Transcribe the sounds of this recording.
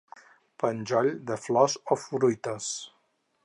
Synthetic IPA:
pənʲd͡ʒɔʎd̪əflɔzɔfɾujt̪əs

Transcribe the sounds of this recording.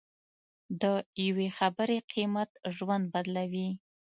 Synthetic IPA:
d̪əjawexabəɾeqʰimat̪ʒwand̪̚bad̪lawi

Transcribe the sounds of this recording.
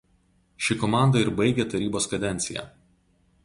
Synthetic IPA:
ʃʲɪkɔmɑˑnd̪ɐɪɾbɐɪɡʲet̪ɐɾʲiːboːskɐd̪ʲɛnʲt̪sʲɪjɛ̰ːˑ

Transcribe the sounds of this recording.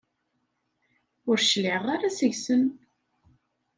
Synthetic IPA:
ʊɾʃlɪʁaɾasəʝsən

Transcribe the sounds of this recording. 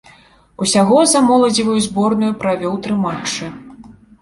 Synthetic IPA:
usʲaɣɔzamɔlˠɐd͡zʲivɐjuzbɔrnujupɾavʲɔwt̪ɾɨmat͡ʂːɨ

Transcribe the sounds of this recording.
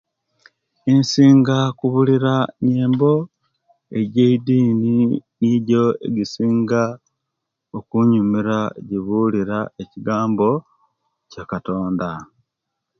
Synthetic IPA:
insiːŋɡakuβuliɾaneːmbo̞ | e̞ɟeidiːniniɟo̞ḛɡisiːŋɡa | okuɲumiɾaɟiβuliɾaeciɡaːmbo̞ | cakato̞ːnda

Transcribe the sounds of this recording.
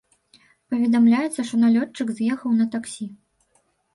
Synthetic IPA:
pɐvʲɛd̪amlʲajɛt̪sːɐʂt̪ɔnalʲɔt͡ʂːɨkzʲjɛxɐwnɐt̪aksʲi

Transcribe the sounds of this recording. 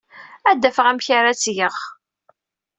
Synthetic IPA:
æd̪ːæfəʁæmçaɾæt͡sːjəʁ

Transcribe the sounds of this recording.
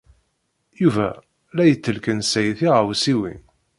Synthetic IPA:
juvæ̰ | læjət͡sːəlkənsæjθiʁwsiwḭn

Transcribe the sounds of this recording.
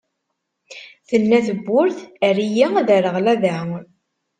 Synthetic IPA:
θənːæθəbːʊɾθərijiðəɾəʁlæða

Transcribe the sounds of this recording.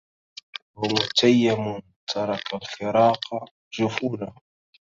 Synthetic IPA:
wamʊt̪ajːamʊn | t̪ʰɑɾˤɑkalfɪɾˤɑːqɑ | ʒʊfuːla

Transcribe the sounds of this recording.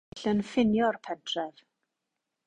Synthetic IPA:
ɬənfɪnjɔrpʰɛdrɛv̥

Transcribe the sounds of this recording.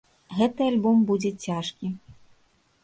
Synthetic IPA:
ɣɛt̪ɨalʲbɔmbud͡zʲɛt͡sʲaʂkʲi

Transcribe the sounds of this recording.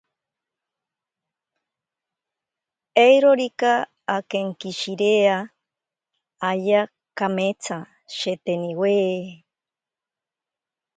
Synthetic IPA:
ejɾoɾikaː | keŋkiʃiɾea | aja | kamet͡sʰa | ʃet̪eniweː

